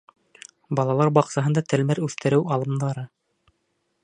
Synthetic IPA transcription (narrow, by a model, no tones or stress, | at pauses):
bɑlˠɑlˠɑɾbɑqsɑɦɤ̆nd̪ɑt̪ɘ̆lmæɾʉθt̪ɘ̆ɾɘwɑlˠɤ̆md̪ɑɾɤ